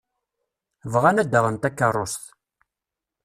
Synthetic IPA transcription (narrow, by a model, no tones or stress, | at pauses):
vʁanæd̪ːəʁənt̪ækːərˤːost̪